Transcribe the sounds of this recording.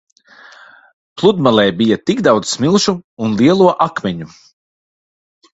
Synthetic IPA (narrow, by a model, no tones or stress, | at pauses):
plˠud̪malˠɛːbijat̪iɡd̪awd̪zsmilˠʃuːnlˠiɛlˠuɔʔakmʲɛɲu